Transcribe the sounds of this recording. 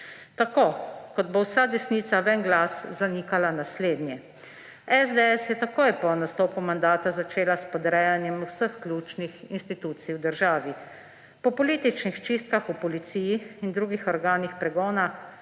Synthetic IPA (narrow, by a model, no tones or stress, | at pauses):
t̪akoːkɔd̪̚bowsad̪ɛsniːt̪saʋɛnɡlaszanikalanasleːd̪njɛ | ɛzd̪ɛɛsjɛt̪akoːjpɔnast̪oːpumand̪aːt̪azat͡ʃeːlaspɔd̪ɾɛjanjɛmusəxklʲuːt͡ʃnixinst̪it̪uːt̪siwd̪əɾʒaːʋi | pɔpɔlit̪it͡ʃnixt͡ʃist̪̚kaxupɔlit̪siːjiind̪ɾuːɡixɔɾɡaːnixpɾɛɡɔːna